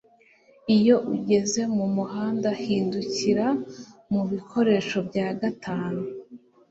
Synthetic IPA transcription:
ijo̞ʔuɟe̞ze̞mumuhaːndahiːnduciɾamuβikʰo̞ɾe̞ʃo̞bɟaːɡatʰaːnu

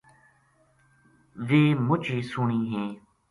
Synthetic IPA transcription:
ʋeːmʊt͡ʃiːsʊɳiːɦẽː

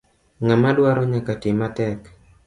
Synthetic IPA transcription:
ŋamadwaɾɔɲakatɪmatɛk

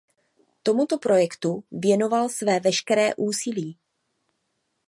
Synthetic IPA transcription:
t̪o̞mut̪o̞pɾo̞jɛkt̪uvjɛno̞valsvɛːvɛʃkɛɾɛːʔuːsiliː

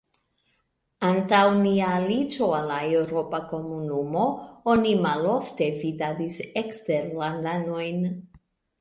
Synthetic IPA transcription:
antawniaːlit͡ʃo̞alaewɾo̞pako̞munumo̞o̞nimalo̞fte̞vidadisekste̞ɾlandano̞jn

